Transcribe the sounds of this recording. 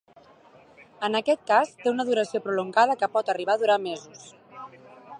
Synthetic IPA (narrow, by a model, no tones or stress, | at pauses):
ənəkɛt̪̚kast̪eunəðuɾəsiopɾuluŋɡað̞əkəpɔt̪əriβ̞aðuɾamezus